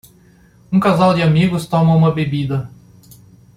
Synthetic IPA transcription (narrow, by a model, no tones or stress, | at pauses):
ũkazawd͡ʒɪamiɡʊst̪õmɐũmɐbebid̪ɐ